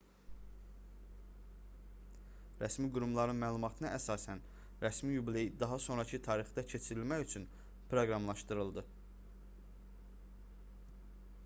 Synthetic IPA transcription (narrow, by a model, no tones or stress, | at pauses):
ɾæsmiɡuɾumlˠɑɾɯnmæːlˠumɑt̪ʰɯnɯʔæsɑːsæn | ɾæsmijublejid̪ɑɦɑso̞nɾɑcʰɯt̪ʰɑːɾixd̪ɑcʰe̞t͡ʃʰiɾilmæjyt͡ʃʰyn | pʰɾo̞ɡɾɑmlˠɑʃt̪ɯɾɯlˠd̪ɯ